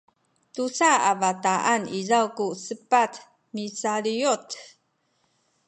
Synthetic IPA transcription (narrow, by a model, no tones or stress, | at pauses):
tusaavataʔanizawkusəpat | misalijot